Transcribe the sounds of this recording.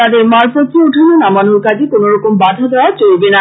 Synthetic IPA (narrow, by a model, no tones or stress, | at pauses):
ad̪emaɹpɔt̪iouʈʰalonamanuɹkazikonoɹɔkɔmbad̪ʱad̪ʱɔɹat͡ɕolbena